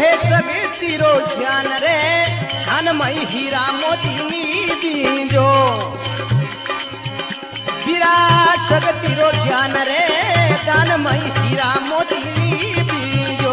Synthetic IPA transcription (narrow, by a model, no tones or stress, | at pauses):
ɦeːʃəɡet̪iːɾoːd͡ʒʱjaːnɾe | anməiɦiːɾaːmoːt̪inibĩːd͡ʒoː | ɦiɾaːʃəɡt̪iːɾoːd͡ʒdʱjaːnɾeːt̪ãːnəməiɦiːɾaːmoːt̪iniːbĩd͡ʒoː